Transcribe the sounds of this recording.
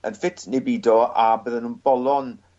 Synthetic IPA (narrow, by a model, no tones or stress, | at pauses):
ənfɪtʰnebiːdɔabəːðənuːnb̥ɔlˠɔn